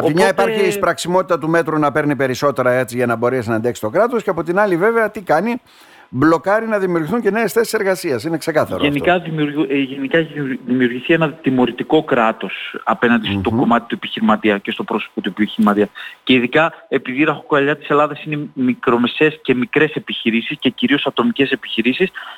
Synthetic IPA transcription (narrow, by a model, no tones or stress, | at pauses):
ɐpt̪imɲɐipɐɾçiːspɾɐksimo̞t̪it̪ɐt̪ume̞t̪ɾunɐpe̞ɾnipe̞ɾiso̞t̪e̞ɾɐe̞t͡siʝɐnɐbo̞ɾisnɐnd̪eksi̥t̪o̞kɾɐt̪o̞sceɐpo̞t̪inɐlive̞veɐt̪ikɐni | blo̞kɐɾinɐðimiuɾʝiθuɲce̞ne̞ːsθe̞si̥se̞ɾɣɐsiɐsine̞kse̞kɐθɐ̰ɾoenikɐðimɾʝenikɐeçiðimiuɾʝiθie̞nɐt̪imo̞ɾit̪iko̞kɾɐt̪o̞sɐpe̞nɐnd̪ist̪o̞ko̞mɐt̪i̥t̪ue̞piçiɾimɐt̪iɐce̞st̪o̞pɾosopot̪uboçiɾimɐt̪iɐce̞iðikɐe̞piðiɾɐxokoɐʎɐt̪i̥se̞lɐðɐsine̞mikɾo̞me̞se̞ːsce̞mikɾe̞se̞piçiɾisisce̞ciɾio̞sɐt̪o̞mice̞se̞pi̥çiɾisis